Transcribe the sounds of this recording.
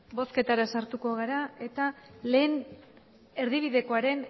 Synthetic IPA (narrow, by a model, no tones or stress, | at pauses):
bo̞ske̞t̪aɾasaɾt̪uko̞ɣaɾae̞t̪ale̞ːn | e̞ɾðiβ̞iðe̞ko̞aɾe̞n